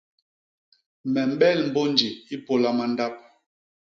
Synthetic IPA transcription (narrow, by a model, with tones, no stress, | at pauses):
mɛ˨m̩˨˦ɓɛ˦˨lm̩˨bo˦n˦d͡ʒi˨i˦po˦la˦ma˦n˦da˦p̚